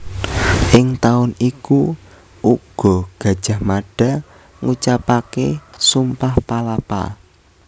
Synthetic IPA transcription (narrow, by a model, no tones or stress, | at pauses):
ʔɪŋt̪aʊniku | ʔuɡ̥ɔ̤ɡ̥a̤d̥ʒ̥a̤hmaɖ̥a̤ | ŋut͡ʃapakesumpahpalapa̰